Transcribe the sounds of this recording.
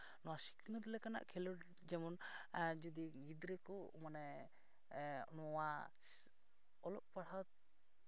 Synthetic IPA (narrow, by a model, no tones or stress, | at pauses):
nɔwasi̥knəd̪ilɛkana̰ʔkʰɛlɔʈ | d͡ʒɛmɔnd͡ʒud̪iɡid̪ɾekɔmanɛ | nɔwa | ɔlɔʔpaɽ̤awt̪